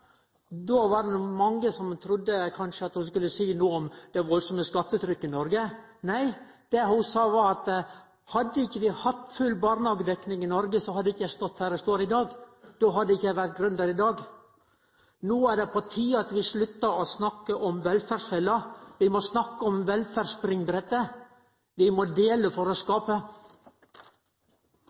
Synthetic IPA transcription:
d̪oʋɑɖɛnumɑŋːəsɔmt̪ʰɾʊd̪ːəkʰɑnʂəɑt̪hʊskʉlːəsiːnuːɔmd̪̥ɛʋɔlsɔməskɑt̪ːət̪ʰɾʏkːɪnɔɾɡə | næɪ | d̪̥ɛhʊsɑːʋɑɾɑt̪ | hɑd̪ːəɪçːəʋɪhɑt̪ːfʉlbɑːɾnɑːɡəd̪ɛknɪŋɪnɔɾɡəsɔhɑd̪ːəɪçːəjæɪst̪ɔt̪ːhæːɾɛst̪oːɾɪd̪ɑːɡd̪̥oːɦɑd̪ɛɪçːəjæɪʋæɾt̪̚ɡɾʉnd̪ɑɾɪd̪ɑːɡ | nuːæɖɛpʰɔt̪ʰiːəɑt̪ʋɪslʉt̪ːəɔsnɑkːəʔɔmʋɛlfæːɾʂɛlɑʋɪmɔsnɑkːəɔmʋɛlfæɾspɾɪŋbɾɛt̪ːə | ʋɪmɔd̪eːləfɔɾɔskɑːpə

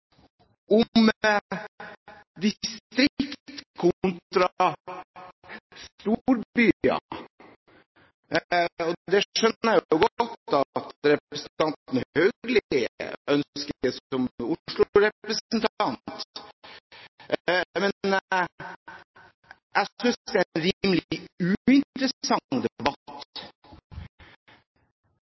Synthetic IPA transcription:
ɔm | d̪ɪst̪ɾɪkt̪kʰʊnt̪ɾɑ | st̪uɾbyːɑ̰ | ɔd̪ɛʂœnəæjʊjʊɡɔt̪ːɑt̪ɾɛpɾəsnt̪ɑnt̪n̩hœɡlɪɪ̰œnskəsɔmʊʂɭʊɾɛpɾəsnt̪ʰɑnt̪ | mɛn | ʔæsʏnsd̪ɛænɾiməlʉːɪnt̪ɾəɑŋːd̪ɛbɑt̪

